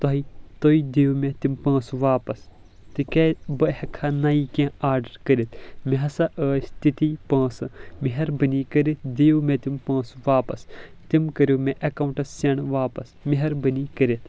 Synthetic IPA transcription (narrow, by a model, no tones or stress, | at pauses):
t̪oɦit̪oːid̪ijumẽt̪impɐ̃ːsuʋaːpɐs | t̪ɨkebɐhɐkʰanaːikẽaːɾɖɐɾkəɾit̪ʰmiɦɐsɐʔəːst̪it̪ipɐ̃ːsɨmiɦɐɾbənikəɾit̪̚ʰd̪ijumẽt̪impɐ̃ːsuʋaːpɐs | t̪imkəɾʲjoːmẽʔɐkaũɳʈɐsːeɳʋaːpɐsmiɦɐɾbɐnikəɾit̪ʰ